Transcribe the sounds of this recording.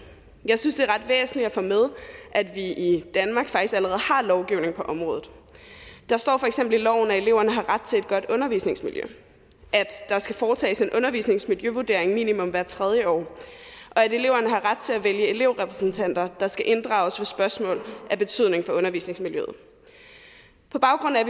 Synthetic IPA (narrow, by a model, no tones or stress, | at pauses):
jɑ̈ɪsynsd̥e̝æʁɑ̈d̥ʋḛːsn̩lid̥æfɔmeð̞ˠʔæd̥ʋiid̥ænmɑ̈ːɡ̥fɑ̈ɡ̥isɡ̥æləʁɛːð̩ˠhɑ̈lɒʊɡ̥iʊne̝ŋ̩pʰɒ̽ʔɒ̽mʁɔ̽ːðˠð̩ˠ | d̥ɑ̈sd̥ɒ̰ːfɒ̽eɡ̥semb̥l̩ilɒʊ̰n̩æe̝le̝ʊ̰ɐnəɦɑ̈ʁad̥̚t͡sʰe̝e̝d̥̚ɡ̥ɒ̽d̥ɔ̽nɐʋḭːsne̝ŋsmiljø̰ | ʔæd̥d̥ɑ̈sɡ̥æfɒːt͡sʰɛ̰ːse̝nʔɔ̽nɐʋḭːsne̝ŋsmiljøʋud̥e̝ɐ̰e̝ŋmḭːnimɔ̽mʋæɐ̰t͡sʰʁɛð̞ˠjəɒ̰ː | ʔɒ̽æde̝le̝ʊɐnəɦɑ̈ʁad̥̚t͡sʰe̝æʋeljəe̝le̝ʊ̰ʁɛpʰʁɛ̥sn̩t͡sʰæn̰d̥ɐd̥ɑ̈sɡ̥æʔe̝nd̥ʁɑ̈ːʊsʋesb̥ɶɐsmɔ̰ːlæb̥e̝t͡sʰyð̞̰ˠne̝ŋ̩fɒ̽ɔ̽nɐʋḭːsne̝ŋsmiljø̰ð̩ˠ | pʰɒ̽b̥ɑ̈ʊɡ̥ʁɔ̽n̰̩æ